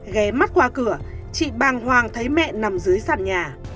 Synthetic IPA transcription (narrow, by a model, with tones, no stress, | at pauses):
ɣɛ˨˦ma˦˥t̚kwaː˧kɨ˧˩ə | t͡ɕḭ˧˨ɓaː˨˩ŋhwaː˨˩ŋt̪ʰə˨˦jmɛ̰˧˨na˨˩mzɨ˨˦əjsa̰ː˧˨nɲaː˨˩